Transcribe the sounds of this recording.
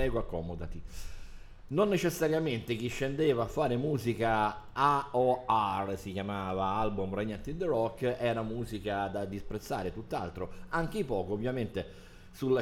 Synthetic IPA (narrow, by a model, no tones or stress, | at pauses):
ɛːɡoakːɔmod̪at̪i | nonːet͡ʃesːaɾjament̪ek̟iʃːend̪eːvaːfːaːɾemuːzikaaɔarsikjamaːvaalbumreɲːant̪id̪ərɔkːɛːɾamuːzikad̪ad̪ispɾet̪sːa̰ːɾet̪ut̪ːa̰lt̪ɾoaŋk̟eipɔːkoovːjament̪e | sulːa